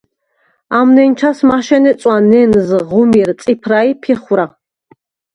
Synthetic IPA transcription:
amnɛnt͡ʃʰasmaʃɛnɛt͡sʼwanɛnzʁumirsʼipʰraipʰiχɾa

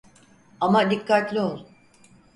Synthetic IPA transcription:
amad̪ikʰːat̪lʲio̞lˠ

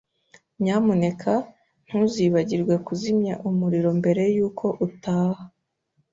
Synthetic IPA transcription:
ɲaːmune̞kʰa | n̥huziβaɟiɾɡwe̞kuzimɲaʔumuɾiɾo̞mbe̞ɾe̞juːkʰo̞ʔutaːha

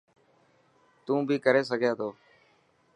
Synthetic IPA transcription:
t̪ũːbʱiːkəɾeːs̬əɡʱjaːt̪ʰoː

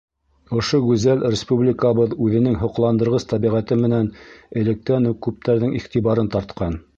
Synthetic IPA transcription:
ŏʃoɡʉzælɾʲɪspublʲɪkəβɤðʉðɘ̆nɘŋɦŏqlˠɑnd̪ɤ̆ɾʁɤst̪ɑβiʁæt̪ɘmɘ̆nænɘ̆lɘ̆k̚t̪ænukʉp̚t̪æɾðɘŋʔiχt̪iβɑɾɤnt̪ɑɾt̪̚qɑn

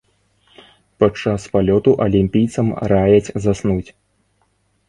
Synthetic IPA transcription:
pat͡ʂːaspalʲɔt̪uʔɐlʲimʲpʲijt̪sɐmɾajɐt͡sʲzasnut͡sʲ

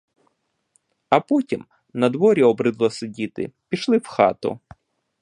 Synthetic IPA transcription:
ɐpɔtʲim | nɐd̪ʋɔɾʲiɔbɾɪd̪lˠɔsedʲit̪ɪ̰pʲiʃlˠɪwxɑt̪ʊ̰

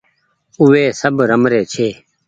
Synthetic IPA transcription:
ʊʋeːsəbɾəmɾeːt͡ʃʰeː

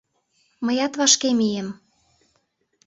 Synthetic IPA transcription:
məjɑt̪βɑʃkemijə̆m

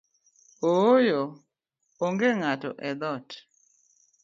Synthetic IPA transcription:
ojo | oŋɡeŋatɔ̰ʔɛd̪ɔt

